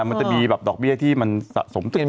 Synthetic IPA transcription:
ma˧nt͡ɕa˨˩miː˧bɛː˨˩p̚dɔː˨˩k̚bi˥˩ət̪ʰiː˥˩ma˧nsa̰˨ʔso˩˦mt̪ʰɯ˨˩ŋ

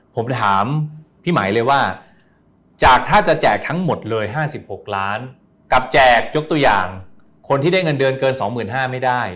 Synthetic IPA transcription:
pʰo˩˦mt̪ʰaː˩˦mpʰiː˥˩ma̰ː˩˦jlɤː˧jwaː˥˩ | t͡ɕaː˨˩k̚t̪ʰaː˥˩t͡ɕa˨˩t͡ɕɛː˨˩k̚t̪ʰa˦˥ŋmo˨˩t̪̚lɤː˧jɦaː˥˩si˨˩p̚ho˨˩k̚laː˦˥n | ka˨˩p̚t͡ɕɛː˨˩k̚jo˦˥k̚t̪u˧ɐja̰ː˨˩ŋ | kʰo˧nt̪ʰiː˥˩da˥˩jŋɤ˧ndɤː˧nkɤː˧nsɔː˩˦ŋmɯː˨˩nɦaː˥˩ma˥˩jda˥˩j

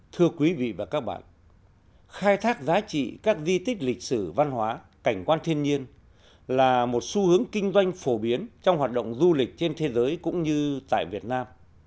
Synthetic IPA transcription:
t̪ʰɨ˧əkwi˨˦vḭ˧˨vaː˨˩kaː˦˥k̚ɓa̰ː˧˨n | xaː˧jt̪ʰaː˦˥k̚zaː˨˦t͡ɕḭ˧˨kaː˦˥k̚zi˧t̪ï˦˥k̟̚lï˨˩k̟̚sɨ˧˩va˧nɦwaː˨˦ | ka˧˩jŋ̟kwaː˧nt̪ʰi˧ənɲi˧ən | laː˨˩mo˨˩t̚su˧hɨ˨˦əŋkï˧ŋ̟zwa˧jŋ̟fo˧˩ɓi˨˦ənt͡ɕɔ˧wŋ͡mhwaː˨˩t̚ɗə̰˧˨wŋ͡mzu˧lï˨˩k̟̚t͡ɕe˧nt̪ʰe˨˦zəː˨˦jkʊ̰˧˥ŋ͡mɲɨ˧t̪a̰ː˧˨jvi˨˩ət̚naː˧m

